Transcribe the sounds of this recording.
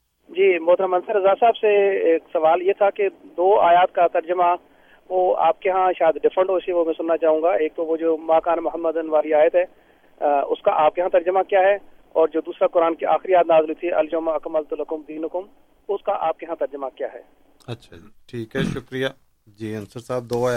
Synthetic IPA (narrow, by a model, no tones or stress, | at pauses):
d͡ʒiːbɔːt̪ɾamɐ̃nsəɾɐzaːsaːbseeːksɐʋaːljet̪ʰaked̪oːa̰ːjaːt̪kat̪ɐɾd͡ʒəma | ʋoa̰ːp̚keɦãʃaːjəd̪ɖɪfʰɾə̃ɳʈɦoːsiʋomɛ̃sʊnːat͡ʃaːɦũːŋɡaeːk̚t̪oʋod͡ʒoːmaːkaːnmʊɦəmːəd̪ənʋaːliaːjət̪ɦɛː | ʊ̰skaʔaːp̚keɦãt̪ɐɾd͡ʒəmãkjaːɦɛ | ɔːɾd͡ʒoːd̪uːsɾakʊɾaːnkiʔa̰ːxɾijaːd̪naːzluit̪ʰiʔɐld͡ʒomɐkməlt̪ʊləkʊmd̪iːnʊkʊm | ʊskaʔaːp̚keɦãt̪ɐɾd͡ʒəmakja̰ːɦɛ̰ː | ɐtːʃʰaʈʰiːkɦɛʃʊkɾijaː | d͡ʒiːɐnsəɾsaːb̚d̪oːaː